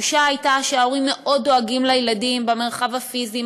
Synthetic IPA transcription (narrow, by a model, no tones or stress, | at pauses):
uʃaːjtaʃeaoʁimːe̞ʔo̞ddo̞aɡimlajladimbeme̞ʁχavafizi